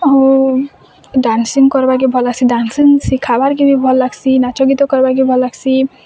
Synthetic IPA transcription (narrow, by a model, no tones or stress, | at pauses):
o | ɖansiŋkɔɾbaɾk̬ibʱɔlaɡsʰiɖansiŋsikʰabaɾkibibʱɔlːaɡsʰinat͡ʃoɡit̪okɔɾbaɾk̬ibʱɔlːaɡsʰi